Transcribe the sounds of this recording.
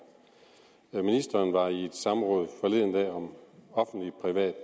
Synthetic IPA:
minisd̥ɐːnʋɑ̈ie̝d̥sɑ̈mʁɔ̽ːð̞̩ˠfɒ̽le̝ðˠn̩ɛ̰ɒ̽mɒ̽fn̩d̥lipʰʁiʋɛ̰ːd̥

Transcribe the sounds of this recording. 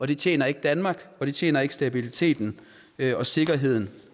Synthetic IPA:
ɒ̽ɾ̥e̝t͡sʰjḛːnɐe̝ɡ̥əd̥ænmɑ̈ːɡ̥ɒ̽d̥e̝t͡sʰjḛːnɐe̝ɡ̥sd̥æb̥ilit͡sʰe̝̰ːd̥n̩ | øɒ̽se̝ɡ̥ɐɦe̝ð̞̰ˠn̩

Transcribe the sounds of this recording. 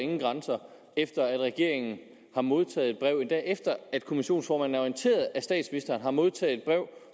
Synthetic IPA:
e̝ŋn̩ɡ̥ʁɑ̈nsɐ | efd̥ɐæd̥ʁɛɡ̥e̝ɐ̰e̝ŋn̩ | hɑ̈mo̝ð̞ˠt͡sʰɛ̰ːðˠe̝d̥̚b̥ʁɛʊ̰e̝nd̥ɛ̰ʔefd̥ɐæd̥kʰo̝miɕo̝̰ːnsfɒːmænæɒient͡sʰe̝̰ːɐð̩ˠæsd̥ɛ̰ːd̥sminisd̥ɐːnɦɑ̈mo̝ð̞ˠt͡sʰɛ̰ːð̩ˠe̝d̥̚b̥ʁɛʊ̰

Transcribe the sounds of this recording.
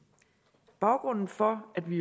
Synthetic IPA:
b̥ɑ̈ʊɡ̥ʁɔn̰n̩fɒ̽æd̥ʋi

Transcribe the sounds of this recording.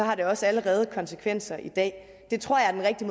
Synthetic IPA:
ɒ̽hɑ̈ɾ̥e̝ɒ̽sæləʁɛːð̞̩ˠkʰɒ̽nsəkʰʋen̰sɐʔid̥ɛ̰ː | d̥e̝t͡sʰʁo̝ɐ̰jɑ̈æɐd̥enʁɛɡ̥d̥im

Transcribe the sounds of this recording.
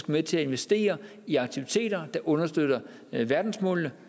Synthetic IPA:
ɡ̥meðˠt͡sʰe̝æe̝nʋesd̥e̝̰ːɐ | iɑ̈ɡ̥̚t͡sʰiʋit͡sʰe̝̰ːdɾ̥ɐd̥ɑ̈ʔɔ̽nɐsd̥øð̥ɐ | ʋæɐd̥n̩smɔ̰̽lnə

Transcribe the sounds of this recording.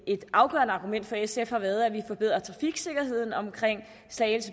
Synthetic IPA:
e̝d̥ʔɑ̈ʊɡ̥ɶɐnəɑ̈ːɡ̥umen̰d̥fɒ̽esefhɑ̈ʋæɐð̞̩ˠæʋifɒ̽b̥e̝ð̰ˠɐt͡sʰʁɑ̈fiɡ̥se̝ɡ̥ɐhe̝ð̞̰ˠn̩ɒ̽mkʰʁeŋ̰ | sɛːlsə

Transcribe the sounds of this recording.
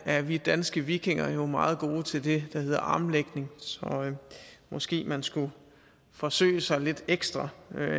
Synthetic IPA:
æɐʋid̥ænsɡ̥əʋiɡ̥ʰe̝ŋɐjo̝mɑ̈ːð̞̩ˠɡ̥o̝ːt͡sʰe̝ld̥e̝d̥ɑ̈he̝ð̞̰ˠɐʔɑ̈ːmleɡ̥ne̝ŋsɒ̽ | mɒ̽sɡ̥e̝̰ːmænsɡ̥u | fɒ̽sø̰ːɪəsɑ̈ɪle̝d̥eɡ̥sd̥ʁɑ

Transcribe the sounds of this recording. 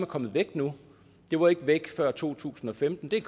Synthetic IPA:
mækʰɒ̽m̰ð̩ˠʋeɡ̥d̥nu | d̥e̝ʋɑ̈e̝ɡ̥əʋeɡ̥fɶɐ̰t͡sʰo̝̰ːt͡sʰṵːsn̩ɒ̽femd̥n̩d̥e̝kʰ

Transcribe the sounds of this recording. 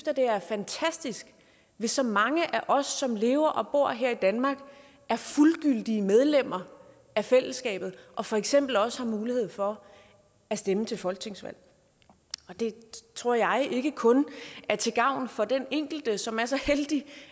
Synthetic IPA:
fd̥ɐd̥e̝æɐfænt͡sʰæsd̥isɡ̥ | ʋe̝sːɒ̽mɑ̈ŋəʔæʔɒ̽sːɒ̽mle̝̰ːʊɐʔɒ̽b̥o̝ɐ̰ɦeɐ̰id̥ænmɑ̈ːɡ̥ | æɐfulɡ̥yl̰d̥iəmeð̞ˠlem̰ɐ | æfel̰əsɡ̥ɛ̰ːb̥ð̞̩ˠʔɒ̽fɒ̽eɡ̥sem̰b̥l̩ɒ̽səhɑ̈muːlihe̝ð̰ˠfɒ̽ | æsd̥emət͡sʰe̝lfɒ̽lɡ̥ət͡sʰeŋsʋæ̰l̰ | ɒ̽d̥e̝t͡sʰʁo̝ɐ̰jɑ̈ɪʔe̝ɡ̥əkʰɔ̽næɐt͡sʰe̝ɡ̥ɑ̈ʊ̰n̩fɒ̽d̥eneŋ̰ɡ̥l̩d̥əsɒ̽mæɐsɒ̽held̥i

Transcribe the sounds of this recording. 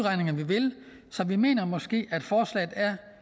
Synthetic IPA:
ʁɑ̈ɪne̝ŋɐʋiʋe̝l | sɒ̽ʋime̝̰ːnɐmɒ̽sɡ̥e̝̰ːæd̥fɒːslɛ̰ːð̩ˠæɐ

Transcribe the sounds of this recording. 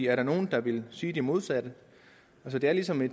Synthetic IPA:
ḭæɐɾ̥ɑ̈no̝ːn̩d̥ɑ̈ʋe̝lsyːd̥emo̝ð̞ˠsæd̥ə | ælsɒd̥e̝æɐlisɒ̽me̝̥

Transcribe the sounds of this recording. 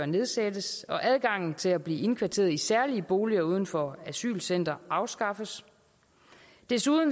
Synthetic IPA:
ɶɐne̝ðˠsed̥əsɒ̽ʔæðˠɡ̥ɑ̈ŋ̰n̩t͡sʰe̝læb̥liːe̝nkʰʋæɐt͡sʰe̝̰ːɐðˠisæɐliəb̥o̝ːliɐuːð̞ˠn̩fɒæsy̰ːlsen̰d̥ɐɑ̈ʊsɡ̥ɑ̈fəs | d̥e̝suðˠn̩

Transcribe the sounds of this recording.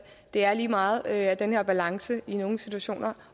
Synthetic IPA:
d̥e̝æɐliːmɑ̈ːð̩ˠæd̥enhe̝ɐ̰b̥ælɑ̈ŋsəino̝ːŋ̩sit͡sʰuæɕo̝̰ːnɐ

